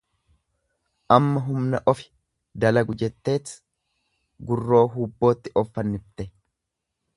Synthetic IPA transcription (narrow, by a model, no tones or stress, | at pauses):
ʔɐmːɐɦʊmnɐʔɔfɪ̥ | d̪ɐlɐɡʊd͡ʒɛt̪ːe̞ːt̪ | ɡʊrːo̞ːɦuːbːo̞ːt̪ːɪʔɔfːɐnːɪft̪ɛ